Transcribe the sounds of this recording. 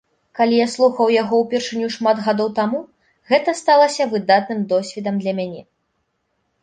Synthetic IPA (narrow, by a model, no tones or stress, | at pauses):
kalʲijaslˠuxɐwjaɣɔwpʲɛrʂɨnʲuʂmad̪ɣad̪ɔwt̪amu | ɣɛt̪ɐst̪alˠɐsʲɐvɨd̪at̪̚nɨmd̪ɔsʲvʲid̪ɐmd̪lʲɐmʲanʲɛ